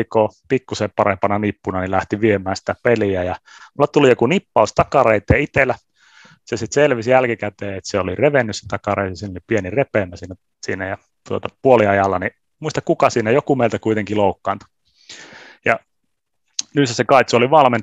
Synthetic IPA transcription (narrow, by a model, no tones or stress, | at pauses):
ikoːpikːuseːpɑrempɑnɑnipːunɑnilæht̪iʋiemæːnsi̥t̪æpeliæjɑmulːɑt̪ulijokunipːɑust̪ɑkɑreit̪eːit̪elˑæ | sesit̪selʋisjælkikæt̪eːet̪seolireʋenːysset̪ɑkɑreit̪ːsiːnolipienirepeːˑmːæsiːnːæ | siːnæjɑ | t̪uot̪ɑpuoliɑjɑlːɑni | muist̪ɑkkukɑsiːnæjokumeˑilt̪ækuit̪eŋkiloukːɑːnt̪u̥ | jɑ | nysæsekɑit̪soliʋɑlmen